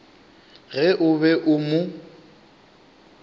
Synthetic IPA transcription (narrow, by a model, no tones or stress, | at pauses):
ɣɪʔʊβɛʔʊmʊ